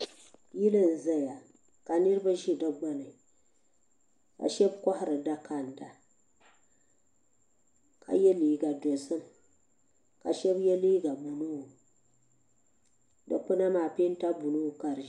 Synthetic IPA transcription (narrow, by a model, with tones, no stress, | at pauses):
ji˦lɨ˦n˨za˦ja˨ | ka˨nɨ˦ɾɨ˦ba˦ʒi˦da˦ɡ͡ba˦nɨ˨ | ka̰˨ʃɛ˦bkɔ˦ha˨ɾɨ˨da˦ka˨nda˨ | kʰa̰˨jɛ˦liː˨ɡa˨dɔ˨sɨ˦m | ka̰˨ʃɛ˦bjɛ˦liː˦ɡa˨bu˨nu˦˨ | dɨ̰˨k͡pɨ˦na˦maː˨pe˦n˦ta˦bu˨nu˦˨ka˨ɾ